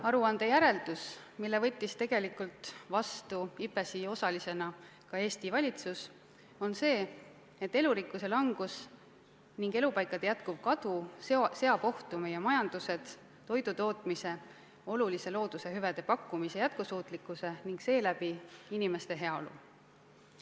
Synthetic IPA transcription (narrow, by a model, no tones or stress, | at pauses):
ɑɾuɑnd̪̥e̞jæɾe̞ld̪̥us | milːevɤ̞t̪ʲːist̪e̞ɡ̥e̞likult̪vɑst̪uipːe̞sio̞sɑlise̞nɑ | kɑe̞ːst̪ivɑlʲit̪sus | o̞nse̞ː | et̪ːe̞luɾikːˑuse̞lɑŋɡ̥us | niŋɡe̞lupɑjkˑɑd̪̥ejæt̪kub̥̚kɑd̪usse̞ɑb̥o̞ht̪ume̞jemɑjɑnd̪̥use̞d̪̥ː | o̞jd̪ut̪o̞ːt̪ˑmise̞ | o̞lulise̞lo̞ːd̪̥use̞ɦyved̪̥e̞pɑkːˑumise̞jæt̪̚kusuːt̪ˑlikːˑuse̞niŋɡse̞ːlæb̥iinime̞st̪e̞ɦe̞ɑo̰lṵ